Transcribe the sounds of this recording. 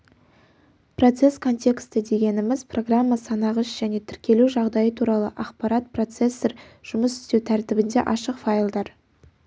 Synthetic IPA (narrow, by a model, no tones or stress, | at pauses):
pro̞t̪se̞skʰo̞nt̪ʲe̞kst̪əd̪e̞ɡʲe̞nɪmɪzpro̞ɡramːɑsɑnɑʁəʃʒ̥æne̞t̪ʰʏɾkʲe̞luʒɑʁd̪ɑjət̪ʰuɾɑlˠəʔɑqpɑɾɑt̪̚pro̞t̪se̞sːeɾʒ̥ʊməsʏ̥st̪e̞wt̪ʰæɾt̪ɪbɪnd̪e̞̰ʔɑʃəqfajlˠd̪ɑɾ